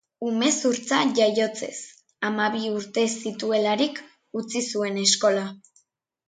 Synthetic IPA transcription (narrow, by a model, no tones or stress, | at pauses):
ume̞suɾt͡saʝajo̞t͡se̞̰s | amaβiuɾt̪e̞sit̪ue̞laɾik | ut͡sisue̞ne̞sko̞la